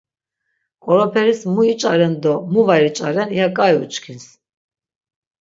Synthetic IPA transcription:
kʼɔɾɔpʰɛɾismuit͡ʃʼaɾɛnd̪ɔmuvaɾit͡ʃʼaɾɛnijakʼajṵt͡ʃʼkʰins

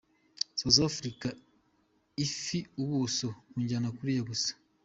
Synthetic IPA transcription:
sazafɾika | ifiuβusokuːɲɟanakuɾijaβusḁ

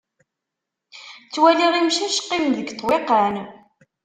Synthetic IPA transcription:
t͡sːwæliʁimʃæʃqːimðəɡt̪ˤːweqæn

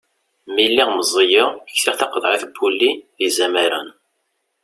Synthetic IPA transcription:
milːiʁməzˤijɪəçθiʁθɑqəd̪ˤɾeθbːulːiðizæmæɾə̰n

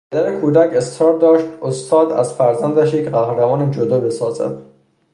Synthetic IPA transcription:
pʰæd̪æɾekʰuːd̪æcʰe̞st̪ɾɒːɾ̚d̪ɒːʃt̪ost̪ʰɒːd̪æzfæɾzænd̪æʃjecʲʰɢæhɾæmɒːned͡ʒod̪ɒːbe̞sɒːzæ̰d̪̥

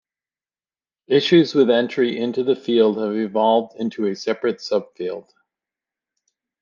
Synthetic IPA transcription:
ɪʃʉzwɨðɛ̃nt͡ʃɹ̥iʔɪ̃ntʉðɨfilˠd̚ɨvɨvɑlˠvdɪ̃ntʰʉɨsɛpɹɨtsʌb̥filˠd̥

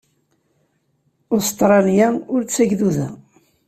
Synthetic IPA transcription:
ost̪ɾˤɑljaʊɾt͡sːæʝðuðæ

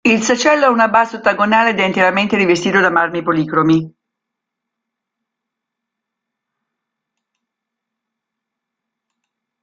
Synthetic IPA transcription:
ilsat͡ʃɛlːoɛunabaːsot̪ːaɡonaːled̪ɛint̪eɾament̪eɾivest̪iːt̪od̪amarmipoliːkɾomi

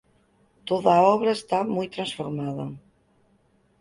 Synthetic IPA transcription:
t̪oðaːɔβɾaest̪amujt̪ɾansfoɾmaðɐ̰

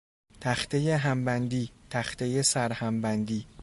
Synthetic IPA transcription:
t̪ʰæxt̪ʰejeɦæmbænd̪iːt̪ʰæxt̪ʰejesæɾhæmbænd̪iː

